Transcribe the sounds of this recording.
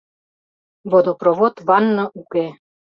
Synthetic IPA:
βod̪oproβot̪βɑnːɤ̆ʔuke

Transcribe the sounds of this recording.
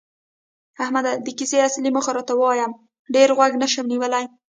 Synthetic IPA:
ahmad̪ad̪əkiseasliməxaɾɑt̪awəwɑjam | ɖeɾɣwaɡnəʃəmniwəlaj

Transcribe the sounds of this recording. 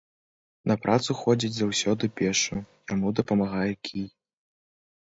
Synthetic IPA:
nɐpɾʔat̪suxɔd͡zʲid͡zʲzawsʲɔd̪ɨpʲɛʂujamud̪ɐpɐmaɣajɛkʲʰij

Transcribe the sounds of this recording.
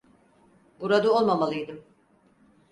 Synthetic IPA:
buɾad̪ɯo̞lˠmamalˠɯjd̪ɯm

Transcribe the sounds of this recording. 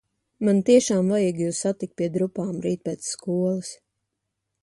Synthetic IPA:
mant̪iɛʃaːmvajiːɡjuːsːat̪ikt̪̚piɛd̪ɾupaːmɾiːt̪̚pʲɛːt̪sskuɔlˠɨs

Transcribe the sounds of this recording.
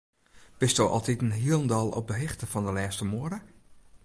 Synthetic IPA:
b̥ɪstowʔɔ̰lˠtitənɦiəlˠəndɔlˠɔ̰p̚dəɦɪxtəfɔndəlɛːstəmoəɾə

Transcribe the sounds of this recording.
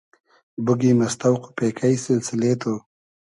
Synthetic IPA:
bʊɡimast̪awqo̥pekʰajsɪlsɪleːt̪o

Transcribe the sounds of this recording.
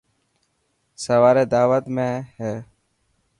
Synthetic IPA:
səʋaːɾeːd̪aːʋət̪mẽːɦɛː

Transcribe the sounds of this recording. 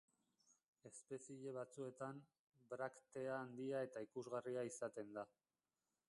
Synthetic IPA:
e̞spe̞siʎe̞β̞at͡sue̞t̪am | bɾakt̪e̞aːnd̪iae̞t̪aikuzɣariaisat̪e̞nd̪a

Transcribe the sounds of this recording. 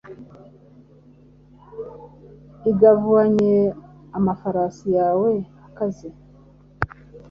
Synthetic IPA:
iɡavuaɲe | amafaɾaːsijaːweakazi

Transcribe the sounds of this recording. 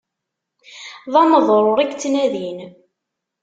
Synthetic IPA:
ðˤɑməðˤɾˤoɾˤæɡt͡sːnæðin

